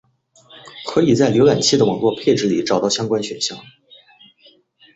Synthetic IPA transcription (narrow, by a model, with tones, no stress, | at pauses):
kʰɤ˧˥i˨˩t͡sa˥˩ɪljo˧˥ʊla˨˩nt͡ɕʰi˥d̪ə˩wɑ˨˩ŋlwɔ˥˧pʰe˥˩ɪʈ͡ʂɻ̩˧˥li˨˩ʈ͡ʂɑ˨˩ʊt̪ɑ˥˩ʊɕjɑ˥ŋkwa˥nɕɥɛ˨˩nɕjɑ˥˩ŋ